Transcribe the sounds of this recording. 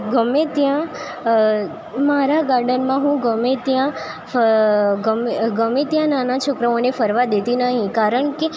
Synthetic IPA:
ɡəmet̪jã | maɾaɡaɾɖənmãɦũɡəmet̪jã | ɡəmɡəmet̪jãnanat͡ʃʰokɾəonefəɾʋad̪et̪inəɦĩkaɾəɳke

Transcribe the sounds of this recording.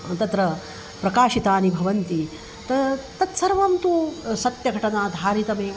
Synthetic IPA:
t̪ɐt̪ɾɐ | pɾɐkaːʃit̪aːnibʱɐʋɐnt̪i | t̪ɐt̪ɐt̪sɐɾʋɐmt̪usɐt̪jɐɡʱɐʈɐnaːd̪ʱaːɾit̪ɐmeː

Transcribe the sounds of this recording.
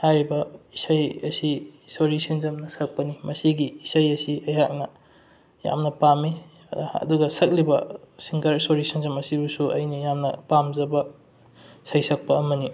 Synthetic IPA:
hajɾibɐisajɐsisoɾisɐnzɐmnɐsɐk̚pɐnimɐsiɡiːsajɐsiɐjɦak̚nɐ | ja̰mnɐpami | ɐ̰duɡɐsɐk̚libɐ̰siŋkɐɾsoɾisɐnzɐmɐsibusuʔɐ̰jnijamnɐpamzɐbɐ | sɐjsɐk̚pɐːmɐni

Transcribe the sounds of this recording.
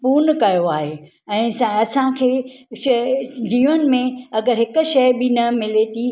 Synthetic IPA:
puːnkɐjoaːɦeː | ɛ̃ːsɐsãkʰeːʃd͡ʑiːʋən̆mẽɐɡəɾɦɪkʊ̆ʃɐjbɪnɐmɪlet̪ʰiː

